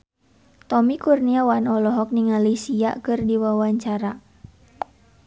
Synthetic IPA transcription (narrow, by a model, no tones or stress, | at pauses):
t̪ɔmikurniawanɔlɔɦɔk̚niŋalisia̰kɨrdiwawaɲt͡ʃaɾa